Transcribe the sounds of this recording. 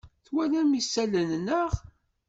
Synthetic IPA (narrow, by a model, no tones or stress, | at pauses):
θwælæmisælənnəʁ